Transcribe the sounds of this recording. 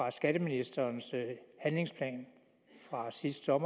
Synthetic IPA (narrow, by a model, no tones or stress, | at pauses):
ʁɑ̈sɡ̥æɾ̥əminisd̥ɐːnshænle̝ŋspʰlɛ̰ːn | fʁɑ̈sisd̥sɒ̽mɐ